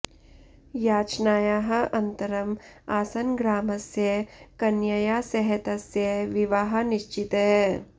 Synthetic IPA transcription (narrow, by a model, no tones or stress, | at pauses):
jaːt͡ʃnaːjaːɦɐ̆ʔɐnt̪ɐɾɐmaːsɐnɡɾaːmɐsjɐkɐnjɐjaːsɐɦɐt̪ɐsjɐʋiʋaɦɐ̆niʃt͡ʃit̪ɐɦ